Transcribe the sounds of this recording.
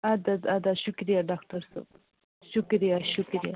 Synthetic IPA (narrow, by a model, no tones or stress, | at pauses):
ad̪ad̪ad̪aʃukɾijaɖakʈɐɾsa̰b | ʃukɾijaʃʊkɾija